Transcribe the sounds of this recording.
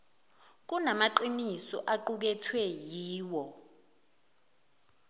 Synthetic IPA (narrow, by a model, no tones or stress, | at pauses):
k̬unamaǃinisɔʔaǃuk̬ɛtʰwɛjiːwɔ